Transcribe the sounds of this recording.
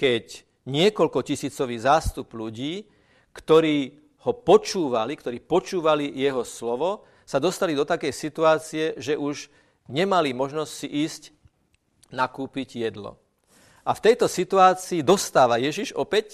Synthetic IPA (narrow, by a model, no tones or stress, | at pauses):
kɛc | ɲɪɛkɔʎkɔcisiːt͡sɔʋiːzaːst̪upluɟiː | kt̪ɔɾiː | hɔpɔt͡ʃuːʋalikt̪ɔɾiːpɔt͡ʃuːʋalijɛɦɔslɔʋɔ | sad̪ɔst̪alid̪ɔt̪akɛjsit̪uaːt͡siɛʒɛʔuʒ | ɲɛmalimɔʒnɔscsiʔiːsc | nakuːpiɟjɛd̪lɔ̰ | ʔaft̪ɛjt̪ɔsit̪uaːt͡siːd̪ɔst̪aːʋajɛʒiʒɔpɛc